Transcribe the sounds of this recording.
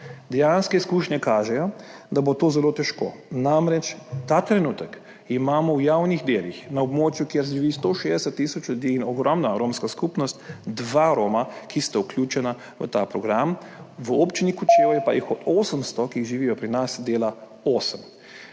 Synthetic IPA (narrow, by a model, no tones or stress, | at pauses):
d̪ɛjanskɛiskuːʃɲɛkaːʒɛjɔd̪abot̪oːzɛlot̪ɛʃko̰ːnamɾɛt͡ʃt̪at̪ɾɛnuːt̪ək | imaːmɔwjawnixd̪eːlixnaɔbmoːt͡ʃjukjeɾs̬ʒiʋiːst̪oʃeːzd̪ɛsɛt̪ːisɔt͡ʃljud̪iːnɔɡɾɔmnaɾoːmskaskupnɔst̪d̪ʋaɾoːmakist̪auklʲjuːt͡ʃɛna | ʋə̰t̪a̰pɾɔɡɾam | ʋəɔpt͡ʃinikut͡ʃeːwjɛpajixɔt̪oːsəmst̪ɔkiʒiʋijɔpɾinasd̪eːla | oːsəm